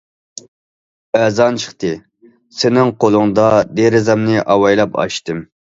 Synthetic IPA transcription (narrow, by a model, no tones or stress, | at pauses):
ɛzɑnt͡ʃʰə̥χt̪ɨ | sɪnɪŋqolˠʊŋd̪ɑd̪eɾɪzɑmnɪʔɑwɑjlˠɑpʰɑ̰ʃt̪ɨm